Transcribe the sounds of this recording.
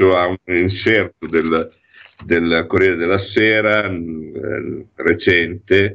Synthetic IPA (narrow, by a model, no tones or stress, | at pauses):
oauninsɛrt̪od̪el | d̪elkoɾjeːɾed̪elːaseːɾa | ret͡ʃɛnt̪e